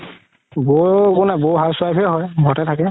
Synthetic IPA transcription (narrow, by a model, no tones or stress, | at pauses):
bokʊnɛboɦalswajpʰiɦɔjɡʱɔtɛtʰakɛ